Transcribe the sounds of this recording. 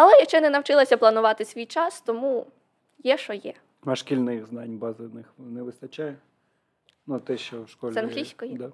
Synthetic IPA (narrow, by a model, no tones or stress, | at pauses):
ɐlˠɛjɐkt͡ʃɛnɛnɐwt͡ʃɪlˠɐsʲɐplˠɐnʊʋɑt̪ɪsʲʋʲijt͡ʃɑst̪ɔmu | jɛʃɔjɛ | ɐʃkʲilʲnɪxznɑnʲbɑzɪnɪxnɛʋɪst̪ɐt͡ʃajɛ | nut̪ɛʃt͡ʃɔwʃkɔlʲzɛɐnɦlʲisʲkɔjid̪a